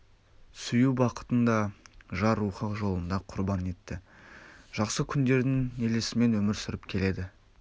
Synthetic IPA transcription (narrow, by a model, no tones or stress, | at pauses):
sʏjubɑqə̥t̪ənd̪ɑʒɑɾuχɑqʒo̞lˠənd̪ɑqʰʊɾbɑne̞t̪ːɪ | ʒ̥ɑqsəkʲʰʏnd̪e̞ɾd̪ɪŋe̞lesɪme̞nwɵmɪɾsʏɾɪpkʲʰe̞le̞d̪ɪ